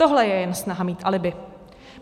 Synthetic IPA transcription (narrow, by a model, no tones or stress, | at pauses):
oɦlɛjɛjɛnsnaɦamiːt̪ʔalɪbɪ